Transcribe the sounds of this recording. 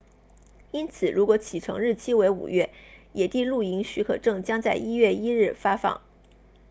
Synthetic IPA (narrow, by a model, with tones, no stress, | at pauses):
i˥nt͡sʰɹ̩˨˩ɻu˧˥kwɔ˧˥t͡ɕʰi˨˩ʈ͡ʂʰɤ̰˧˥ŋɻɻ̩˥˩t͡ɕʰi˥we˧˥ɪṵ˨˩ɥɛ˥˩jɛ˨˩t̪i˥˧lu˥˩i˧˥ŋɕy˧˥kʰɤ̰˨˩ʈ͡ʂɤ˥˩ŋt͡ɕjɑ˥ŋt͡sa˥˩ɪi˥ɥɛ˥˩i˥ɻɻ̩˥˩fa˥fɑ̰˥˩˦ŋ